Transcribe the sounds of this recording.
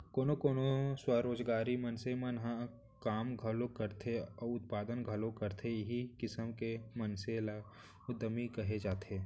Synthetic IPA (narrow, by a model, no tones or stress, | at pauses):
koːnokoːnoswaɾoːd͡ʒɡaːɾimənsemənɦa | kaːmɡʱɐlõkəɾt̪ʰeɔːʊt̪̚paːd̪ənɡʱɐlõkɐɾt̪ʰeɦikɪsəmkemɐnsela | ʊd̪ːəmikɐɦed͡ʒaːt̪ʰeː